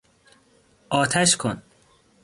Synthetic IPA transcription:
ʔɒːt̪ʰæʃkʰon

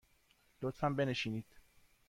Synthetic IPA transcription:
lot̪fæmbeneʃiniːd̪̥

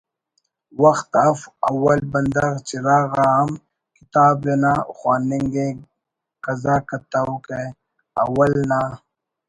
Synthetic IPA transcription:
wɐxt̪ɐfɐwɐlbɐnd̪ɐɣt͡ʃiɾaːɣaɐm | kit̪aːbɾenaxwaːniŋɡe | kɐzaːkɐt̪auke | ɐ̰wɐlna

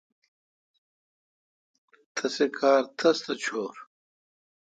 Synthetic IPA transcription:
t̪ʰɐsekʰaːɾt̪ʰɐst̪ɐt͡ɕʰoːɾ

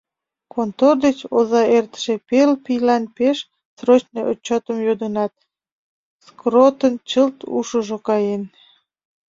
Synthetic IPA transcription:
kont̪ord̪et͡ɕozɑert̪ə̥ʃepelpijlɑnpeʃ | srot͡ɕneʔot͡ɕːot̪əmjod̪ənɑt̪̚ | skrot̪ənt͡ɕəlt̪ṵʃəʒokɑjen

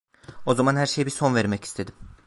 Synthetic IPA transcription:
o̞zamanhæɾʃejbiɾso̞nveɾmɛci̥st̪ʰed̪im

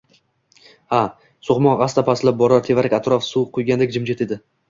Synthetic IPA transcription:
ha | sʊχmɒnʁɑst̪ʰapʰaslap̚bɒɾaɾt̪ʰe̞vaɾakʲat̪ɾɒfsuwqʰʊjɡʲand̪ek̚ʲd͡ʒɪmd͡ʒet̪e̞d̪ɪ

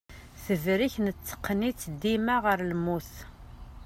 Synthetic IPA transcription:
θəvɾiçnət͡sːə̥qːnit͡sːd̪imaʁəɾlmuθ

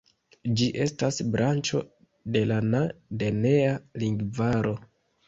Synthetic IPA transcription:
d͡ʒiʔe̞stasbɾant͡ʃo̞̰ | de̞lanade̞ne̞aliŋɡvaɾo̞

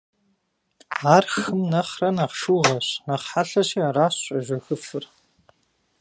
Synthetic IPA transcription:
aːrxɨmnɐχrɐnaqʃuːʁɐɕnɐχħaɬɐɕiːaraːɕʼɐʒʷɐxɨfɨr

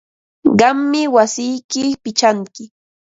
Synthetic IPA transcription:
ɢɑmːɪwasɪjkɪpɪt͡ʃaŋkɪ

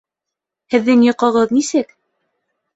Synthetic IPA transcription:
hɘ̆ðːɘŋjŏqɤ̆ʁɤðnisɘk

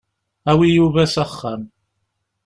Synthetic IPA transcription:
æwijuvæsæχːəm

